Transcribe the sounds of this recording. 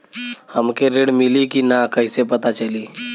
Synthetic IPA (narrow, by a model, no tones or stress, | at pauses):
həmkeɾeːɽmɪlikinakəɪsepət̪at͡ʃəliː